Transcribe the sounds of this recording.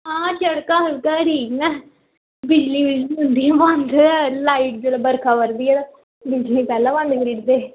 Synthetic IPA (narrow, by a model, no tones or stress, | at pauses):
ɦãːt͡ʃəɽkãːɦəlkãːʈiːknɛː | bɪd͡ʒliːbɪd͡ʒliːɦʊ̃nd̪iːɛːmãnd̪laːiːʈ̚d͡ʒeːlaːbəɾkʰaːʋəɾd̪iːɛːd̪a | bɪd͡ʒliːpɛːlãːʋãnkɾiːʈd̪eː